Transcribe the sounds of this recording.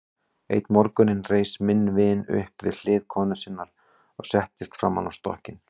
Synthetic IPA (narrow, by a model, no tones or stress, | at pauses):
ḛjt̪mɔɾkʏnɪnrejsmɪnːvɪːnʏ̰hpvɪ̰ðl̥ɪːðkʰɔːnʏsɪnːaɾ̥ | ɔɣsɛht̪ɪst̪fɾamːanawst̪ɔ̰hcɪn